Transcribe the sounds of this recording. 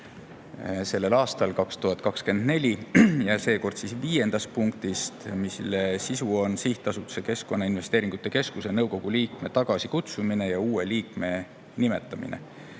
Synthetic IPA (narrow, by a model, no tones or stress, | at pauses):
se̞lːelɑːst̪ɑlkɑkst̪uɦɑt̪̚ːˑkɑkske̞nd̪ne̞lʲijɑse̞ːko̞rd̪̥sisviːje̞nd̪̥ɑst̪̚puŋkt̪ist̪mislsisuo̞nsiht̪ˑːɑsut̪ːu̥se̞ke̞sko̞nːɑinve̞st̪e̞ːɾiŋɡ̥ut̪ːˑe̞ke̞skuse̞nɤwko̞ɡ̥uliːkme̞t̪ɑɡ̥ɑsikut̪sumine̞jɑuːeliːkme̞ | nime̞t̪ːˑɑmḭnḛ